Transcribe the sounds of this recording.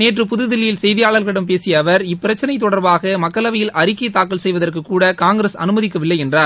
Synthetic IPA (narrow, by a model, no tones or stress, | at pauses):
neːʈrɯpʊðɯðɪlːɪjɪlsɛjðɪjaːɭɐlɣɐɽɐmpeːsɪjɐːʋɐɾɪpːɪɾɐt͡ʃːɐnɐɪt̪̬ːɔɽɐɾbaːɣɐmɐkːɐlɐʋɐjɪlɐɾɪkːɐt̪ːaːkːɐlsɛjʋɐðɐrkɯkːuːɽɐkaːŋɡɾeːsɐ̰nɯmɐðɪkːɐʋɪlːɐɪɛndraːɾ